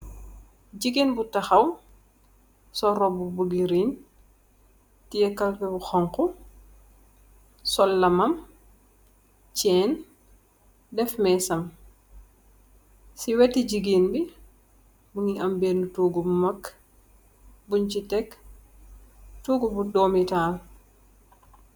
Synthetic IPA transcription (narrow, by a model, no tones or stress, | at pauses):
ɟiɡinbutɐxɐw | sɔɾɔbubuɡiɾin | tijɛkɐlpɛbuxɔŋkɔ | sɔlːɐmɐm | t͡ʃɛːn | dɛfmɛsɐm | siwɛtːid͡ʒiɡiːnbi | buŋiʔambeːnutuːɡubumɐkː | buɲt͡ʃitɛk | tuːɡubudoːmitaːl